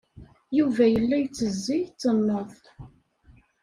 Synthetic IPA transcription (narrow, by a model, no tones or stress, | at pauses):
juvæjəlːæjt͡sːəzːijt͡sːənːəðˤ